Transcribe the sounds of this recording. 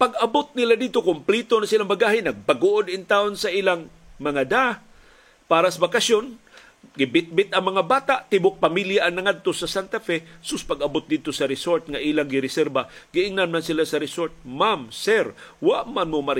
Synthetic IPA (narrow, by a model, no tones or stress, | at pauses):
paɡɐbot̪̚nɪlad̪id̪̚t̪okʊmplit̪onasilaŋbaɡaːhɪnɐɡ̚baɡoʔod̪ɪnt̪aonsɐʔiːlaŋ | mɐŋad̪a | paːɾasɐbakasjon | ɡɪbɪt̪̚bɪt̪ʔɐŋmɐŋabaːt̪aʔt̪ɪbʊk̚pamiljaʔaŋnɐŋad̪̚t̪osɐsant̪afɛsʊspaɡɐbot̪̚d̪ɪd̪̚t̪osɐɾɪsoɾt̪̚ŋaʔiːlaŋɡɪɾɪsɛɾbaɡɪʔɪŋnanmansɪlasɐɾɪsoɾt̪̚mamsɛɾwaʔmanmomaɾ